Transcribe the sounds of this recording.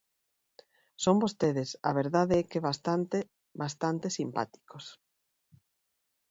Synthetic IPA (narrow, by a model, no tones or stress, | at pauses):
sombost̪eðesɐ̰βeɾðaðeɛkeβast̪ant̪e | bast̪ant̪esimpa̰t̪i̥kos